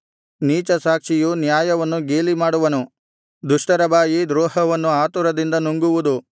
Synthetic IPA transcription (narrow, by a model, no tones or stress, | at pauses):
niːt͡ʃɐsaːkʂijunjaːjɐʋɐnːuɡeːlimaːɽuʋɐnu | d̪uʂʈɐɾɐbaːjid̪ɾɔːɦɐʋɐnːuaːt̪uɾɐd̪ind̪ɐnuŋɡuʋud̪u